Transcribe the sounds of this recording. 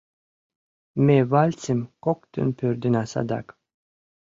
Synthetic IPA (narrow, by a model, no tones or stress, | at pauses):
mevalʲt͡simkokt̪ʰɨ̰npʰøɾd̪ynasa̰d̪a̰k